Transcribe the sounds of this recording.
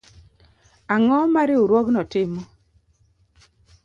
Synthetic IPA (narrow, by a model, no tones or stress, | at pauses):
aŋɔmaɾɪuɾwɔknɔtɪmɔ